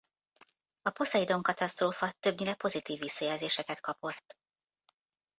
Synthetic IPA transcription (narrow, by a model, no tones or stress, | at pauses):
ɒpo̞sɒjid̪oŋkɒt̪ɒst̪roːfɒt̪øbɲilɛpo̞zit̪iːvːisːɒjɛːlzeːʃɛkɛt̪kɒpo̞t̪ː